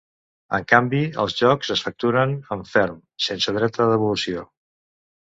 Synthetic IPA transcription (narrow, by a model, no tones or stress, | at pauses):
ə̰ŋkambiə̰lˠzʒɔkzəsfək̚t̪uɾənəɱfɛɾm | sensəð̞ɾɛt̪əðəβulusio